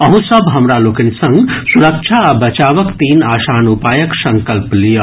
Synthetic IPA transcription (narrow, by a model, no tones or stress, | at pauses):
əɦũsəbʱɦəmɾalokinsə̃ŋɡsuɾək̚t͡ʃʰaːbɐt͡ʃaːʋəkt̪iːnaːsanupaːjəksə̃ŋkəlplijə